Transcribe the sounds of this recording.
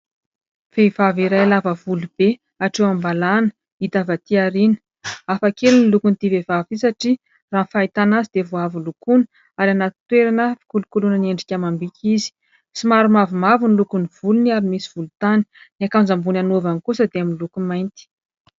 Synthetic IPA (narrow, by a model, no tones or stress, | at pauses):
v̥evaviɾajalavəvulub̥e | aʈ͡ʂewambalanə̥ | it̪avat̪iaɾinə̥ | afakelunilukunt̪ivevavisaʈ͡ʂi | raːnfait̪anazid̪̥evuavulukuni̥ | aɾanat̪i̥t̪weɾanəfi̥kulukulunənieɳɖ͡ʐikʲamambikʲʰizi̥ | simaɾumavimavunilukuniv̥uluniaɾimisiv̥ulut̪ani̥niakanzambunanovankusəd̪eaminlukumajnt̪i̥